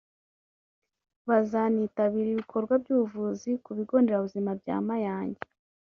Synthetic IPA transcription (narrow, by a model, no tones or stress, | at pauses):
βazaniːtaβiːɾiβikʰo̞ɾɡwab̚ɟuːvuzikuβiɡo̞ːndeɾaβuzimabɟa̰ːmajaːɲɟe